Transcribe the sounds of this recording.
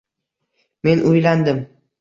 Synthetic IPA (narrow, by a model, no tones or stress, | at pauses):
me̞nʔʊjland̪ɪm